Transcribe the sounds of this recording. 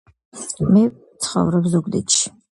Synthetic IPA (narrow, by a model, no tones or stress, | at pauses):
mɛ | t̪sʰχɔ̰vɾɔbzuɡd̪ḭt̪ʃi̥